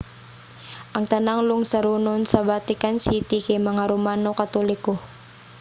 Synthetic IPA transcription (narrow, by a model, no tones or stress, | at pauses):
ʔaŋt̪anaŋluŋsaɾunʊnsabat̪ikansit̪ikemaŋaɾumanokat̪olikɔ